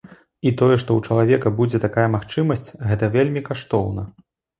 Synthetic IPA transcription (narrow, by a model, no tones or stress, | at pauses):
it̪ɔjɛʂt̪ɔwt͡ʂɐlˠavʲɛkɐbud͡zʲɛt̪akajɐmaxt͡ʂɨmɐsʲt͡sʲɣɛt̪ɐvʲelʲmʲikaʂt̪ɔwnɐ